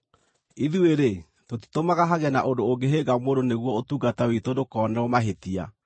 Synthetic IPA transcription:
iðueɾe | toti̥tomaɣaɦaɣɛnaʔondooŋɡeɦeɡamoːdoneɣwɔotuːɡatawitodokɔːnɛomaɦetia̰

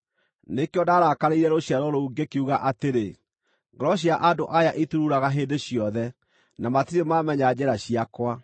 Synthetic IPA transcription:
nekeɔdaɾakaɾeiɾɛɾoɕjaɾɔɾouɡekeuɣaʔateɾe | ŋɡɔɾɔɕ̬jaʔadoʔajaʔetuɾuɾaɣaɦeːdeɕjɔðɛ | namatiɾemamɛɲad͡ʑɛɾaɕiakwa

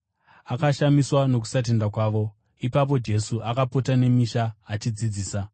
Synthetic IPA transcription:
akaʃamiswano̞k̬u̥sat̬e̞ndakwaːʋo̞ | ipap̬o̞d͡ʒe̞suʔakapo̞tane̞miʃaːt͡ʃid͡zid͡ziːsa

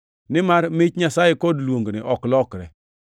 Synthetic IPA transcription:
nɪmaɾmɪt͡ʃɲasajekodlwoŋɡnɪʔɔklɔkɾɛ

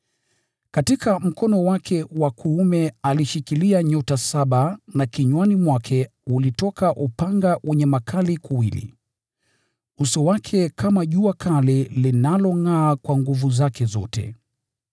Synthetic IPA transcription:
katikam̩kɔnɔwakʰɛwakʰuumɛaliʃikiliaɲɔtasaɓanakiɲwanimwakʰɛulitɔkaʔupaŋɡawʔɛɲɛmakʰalikuwilḭ | usɔwakʰɛkamaʄuakʰalilinalɔŋaːkwaŋɡuvuzakʰɛzɔ̰tɛ̰

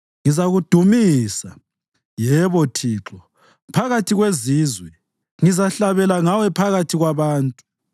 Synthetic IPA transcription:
ŋizaɣud̥ʱumisa | jɛβɔtʰiːǁɔ | pʰaɣatʰiɣweziːzwɛ | ŋizaɬaβɛlaŋawɛpʰaɣatʰiɣwaβaːntʼu̥

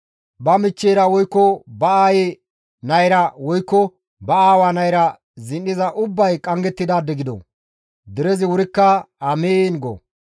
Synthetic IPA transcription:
bɐmɪt͡ʃːeːɾɐwɔjkːɔbɐaːje | nɐjɾɐwɔjkːɔ | bɐaːwaːnɐjɾɐ | zɪnɗɪzɐʔʊbːɐjkʼɐŋɡɛt̪ːɪd̪aːd̪ːɛɡɪd̪ɔ̰ | d̪ɛɾɛzɪwʊɾɪkːɐɐmeːnɡɔ̰

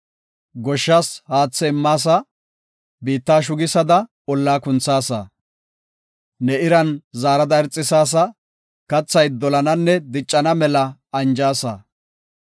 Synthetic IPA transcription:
ɡɔʃːaːshaːt͡sːɛɪmːaːs̬ɐ | biːt̪ːaːʃ̬ʊɡɪsɐd̪ɐ | ɔlːaːkʊnt͡sːaːsɐ̰ | nɛɪɾɐnzaːɾɐd̪ɐɛɾt͡sʼːɪsaːs̬ɐ | kɐt͡sːɐjd̪ɔlɐnɐnːɛd̪ɪt͡ʃʼːɐnɐmɛlɐɐnd͡ʒaːsɐ̰

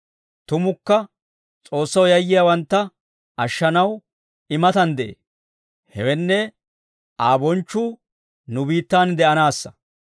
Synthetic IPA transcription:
t̪ʊmʊkːɐ | t͡sʼo̞ːsːɐwjɐjːɪjawɐnt̪ːɐ | ʔɐʃːɐnɐw | ɪmɐt̪ɐnd̪ɛʔḛː | hɛwɛnːɛ | ʔaːbɔnt͡ʃːuː | nʊbiːt̪ːaːnd̪ɛʔɐnaːsːɐ̥

